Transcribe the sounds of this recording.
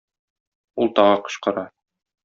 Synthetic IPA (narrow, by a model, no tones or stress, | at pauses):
ulˠt̪ɒʁɤqŏ̥ɕqɤ̆ɾɑ